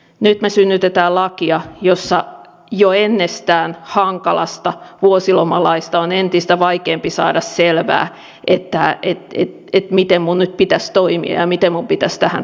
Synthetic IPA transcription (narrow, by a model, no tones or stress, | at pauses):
nyt̪mesynːyt̪et̪æːlɑkiɑjosːɑ | joenːest̪æːnhɑŋkɑlɑ̰st̪ɑʋuosilomɑlɑist̪ɑonent̪ist̪æʋɑikeːmpisɑ̰ːdɑsselʋæ̰ː | ʔet̪ːæet̪ḛt̪et̪mit̪emmunnyt̪̚pit̪æst̪oimḭɑ̰jɑmit̪emmumpit̪æst̪æhæ̰n